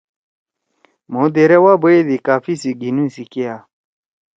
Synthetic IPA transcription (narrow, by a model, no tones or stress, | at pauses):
mod̪eɾewabəed̪ikaːfisiɡinũsikeja